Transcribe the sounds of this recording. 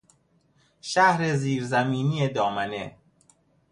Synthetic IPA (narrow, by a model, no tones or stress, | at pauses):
ʃæhɾeziːɾzæmiːnijed̪ɒːmæne